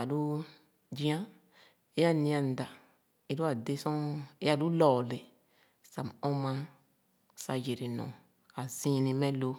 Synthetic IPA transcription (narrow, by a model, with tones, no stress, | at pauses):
a˨lu˦ | d͡ʒĩ˦ã˦ | e˦a˦˨nĩ˧ã˨n̩˨da˨ | e˦lu˦a˨de˦sɔ̃˦e˦ja˦˨lu˦lɔː˨le˨ | sa˨mɔ̃˦mã˧˦ | sa˧je˨ɾe˨nɔ̰̃˨ | a˨zĩ˦nĩ˧mɛ̃˦lo˧